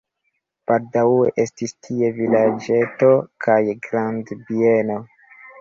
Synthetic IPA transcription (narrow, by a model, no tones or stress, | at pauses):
b̥aldawe̞̰ʔe̞stistʰie̞vilad͡ʒe̞to̞kʰajɡɾandbie̞no̞